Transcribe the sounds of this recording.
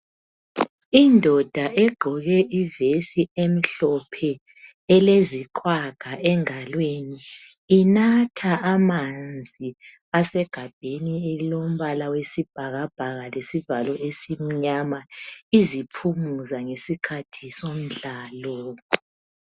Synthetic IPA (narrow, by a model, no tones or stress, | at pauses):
indʱɔd̥ʱaʔɛɡ͡ǃʱɔɣɛʔivesiem̩ɬɔpʰɛ | ɛleziǃwaɡ̥ʱaʔɛŋalweniː | natʰaːmand͡zʱi | asɛɡ̥ʱab̥ʱenielilom̩βalawesib̥ʱaɣab̥ʱaɣalesivalɔʔesim̩ɲamaizipʰumuzaŋesikʰatʰisom̩ɮaːlɔ